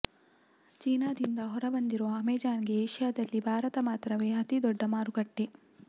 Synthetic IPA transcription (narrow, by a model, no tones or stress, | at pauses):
t͡ʃiːnaːd̪ind̪ɐɦɔɾɐbɐnd̪iɾoːɐmeːd͡ʒaːnɡeːʃjaːd̪ɐlːibʱaːɾɐt̪ɐmaːt̪ɾɐʋe̞ːɐt̪id̪ɔɖːɐmaːɾuɡɐʈːe